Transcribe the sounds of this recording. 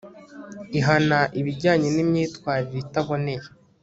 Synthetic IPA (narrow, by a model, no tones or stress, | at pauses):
iɦanaʔiβiɟaːɲenimɲiːtwaːɾiɾeitaβo̞ne̞ɾe